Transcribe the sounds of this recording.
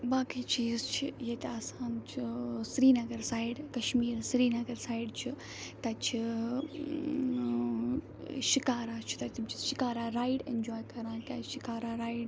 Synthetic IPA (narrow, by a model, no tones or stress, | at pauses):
baːkiːt͡ʃiːzt͡ʃʰijet̪eɐsãːnt͡ʃʰisɾiːnɐɡɐɾsaːɪɖkɐʃmiːɾsɾiːnɐɡɐɾsaːɪɖt͡ʃʰi | t̪ɐt͡ʃʰi | ʃikaːɾaːt͡ʃʰi̥t̪ɐt̪imt͡ʃʰi̥ʃikaːɾaːɾaːɪɖend͡ʒoːjkɐɾãːkʲaːʃikaːɾaɾaːɪɖ